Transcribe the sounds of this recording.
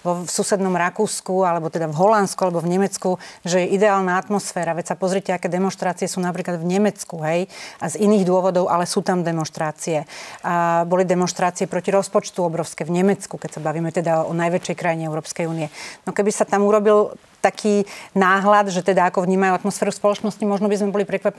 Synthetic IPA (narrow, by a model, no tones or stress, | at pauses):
ʋɔsusɛd̪nɔmɾakuːskualɛbɔt̪ɛd̪avɦɔlant̪skualɛbɔvɲɛmɛt͡skuʒɛjɛʔid̪ɛaːlnaat̪mɔsfɛːɾaʋɛcsapɔzɾiɛcɛakɛːd̪ɛmɔnʃt̪ɾaːt͡siɪɛsuːnap̬ɾiːklad̪vɲɛmɛt͡skuɦɛjaziniːɣd̪ʊɔʋɔd̪ɔʊʔalɛsuːt̪amd̪ɛmɔnʃt̪ɾaːt͡siɛ | bɔlid̪ɛmɔ̃nʃt̪ɾaːt͡siɛpɾɔciɾɔspɔt͡ʃt̪uɔbɾɔʊskɛvɲɛmɛt͡skukɛcsabaʋiːmɛt̪ɛd̪aɔnajʋɛt͡ʃɛjkɾajiɲɛɛʊɾɔːpskɛjuːnijɛnɔkɛbisat̪amuɾɔbil | t̪akʰiːnaːɦlad̪ʒɛt̪ɛd̪aakɔvɲiːmajuat̪mɔsfɛːɾuspɔlɔt͡ʃnɔscimɔʒnɔbizmɛbɔlipɾɛkʋapɛ